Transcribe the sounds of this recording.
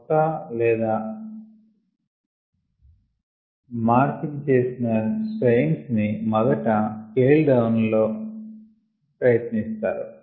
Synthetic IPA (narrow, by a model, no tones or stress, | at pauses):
kaːlɛːd̪aː | maːɾkint͡ʃe̞ːsinɐsʈɐjŋsnimɐd̪ɐʈɐkeːlɖɐwunlo̞ː | pɾɐjɐt̪nist̪aːɾṵ